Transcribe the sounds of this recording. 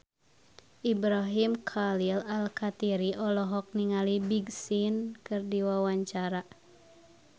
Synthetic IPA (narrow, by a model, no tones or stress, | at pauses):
ʔibɾaɦimkʰalilalkat̪iɾiʔɔlɔɦɔk̚niŋalibiɡsinkɨrdiwawaɲt͡ʃaɾa